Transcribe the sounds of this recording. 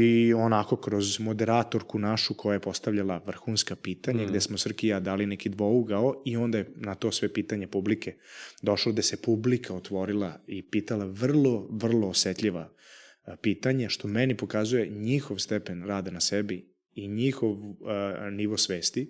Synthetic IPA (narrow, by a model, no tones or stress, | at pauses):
ionako̞kɾozmo̞d̪eɾaːt̪o̞ɾkunaʃukʰojajepo̞st̪avʎalˠaʋr̩xuːnskapiːt̪aɲaɡd̪esmosr̩kijad̪aːlinekid̪ʋouɡaoio̞nd̪ajenat̪o̞sʋepiːt̪aɲepubliked̪o̞ʃlod̪esepublikʰaot̪ʋo̞ɾilˠaipiːt̪alaʋr̩lˠoʋr̩loːset̪ʎiʋa | piːt̪aɲaʃt̪o̞mɛnipo̞kazuje̞ɲixoʋst̪epenɾaːd̪anasebi | iɲixoʋ | niʋosʋeːst̪i